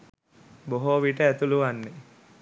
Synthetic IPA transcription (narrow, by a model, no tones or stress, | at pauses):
boɦoːʋiːʈəæt̪uluʋanːe